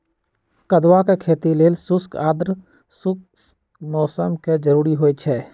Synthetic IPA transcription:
kəd̪wakekʰeːt̪ileːlsʊskaːd̪ɾ | sʊk̚ | mɔːsəmked͡ʒəɾuːɾiɦoet͡ʃʰɛː

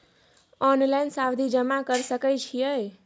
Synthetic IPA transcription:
ɔnlajnsabd̪ʱid͡ʒəmakəɾsəkɛt͡ʃʰijəj

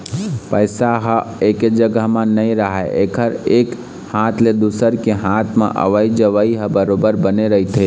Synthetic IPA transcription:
pəɪsaɦəeked͡ʒəɡəɦmə̃nəĩɾəɦɛʔekʰəɾek | hat̪ʰled̪usəɾkeɦat̪ʰmḛ̃ʔə̰ʋəid͡ʒəʋəiɦə̃bəɾobəɾbəneɾəɦit̪ʰɦe

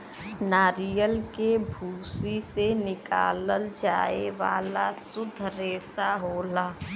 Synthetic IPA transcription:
naːɾijəlkebʱuːsisenɪka̰ːləld͡ʒaːeʋa̰ːlasʊd̪ʱɾeːsaɦoːlaː

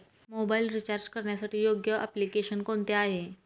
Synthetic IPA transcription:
mobailɾit͡ɕaɾd͡ʑkəɾɳjasaʈiːjoɡjəʔə̰plikeʃənkont̪eaɦe

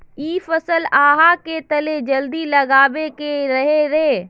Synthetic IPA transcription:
iːfəsəlaːɦaket̪əled͡ʒəld̪ilɐɡaːʋekeɾɐɦeɾeː

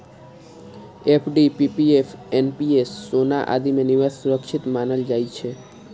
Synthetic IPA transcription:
epʰɖipipiefʰenpiesːonaʔa̰d̪imeniʋasuɾəkʃʰit̪manəld͡ʒajt͡ʃʰe

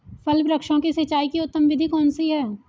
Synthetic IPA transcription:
fɐlpɾɐkʃõkisɐt͡ʃaːikiʊt̪ːəmʋɪd̪ʱikɔːnsiɦɛː

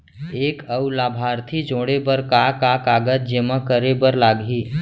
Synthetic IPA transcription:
eːkəwlaːbʱaːɾt̪ʰid͡ʒoːɽebəɾkakakaːɡət̪̚d͡ʒemə̃kəɾebəɾlaːɡiː

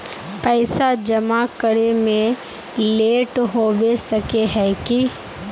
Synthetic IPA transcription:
pɛːɪsad͡ʒɐmakəɾemẽ | leːʈɦobesəkeɦɛːki

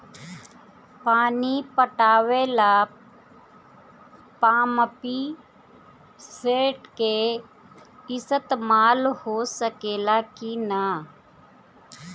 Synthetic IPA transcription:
paːnipəʈaːweːla | paːməpi | seːʈke | ɪsət̪maːlhoːsəkeːlaːkina

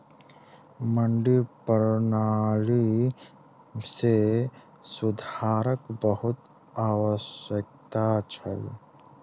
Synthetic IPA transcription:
məɳɖipəɾnaːli | se | sʊd̪ʱaːɾəkbəɦʊt̪ | aːwəsjək̚t̪at͡ʃʰə̰l

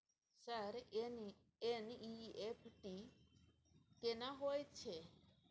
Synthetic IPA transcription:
saɾn | eniiepʰʈi | kenaɦojt͡ʃʰe

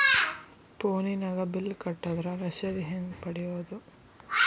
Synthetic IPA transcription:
poːninɐɡɐbilːkɐʈːɐd̪ɐɾɐɾɐʃɐd̪iɦend̪pɐɽijoːd̪u

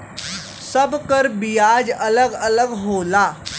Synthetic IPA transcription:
səbkəɾbijad͡ʑələɡələɡɦola

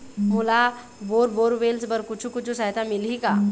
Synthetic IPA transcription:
mʊla | boːɾboːɾʋeːlsbəɾkʊt͡ʃʰukʊt͡ʃʰusaɦt̪amɪlɦika

